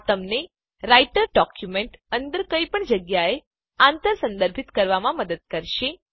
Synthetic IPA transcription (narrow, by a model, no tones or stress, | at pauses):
t̪əmne | ɾaiʈəɾɖɔkjumeɳʈənd̪əɾkəjpəɳd͡ʒəɡjae | ãnt̪əɾsə̃nd̪əɾbʱit̪kəɾʋamãməd̪əd̪̚kəɾʃe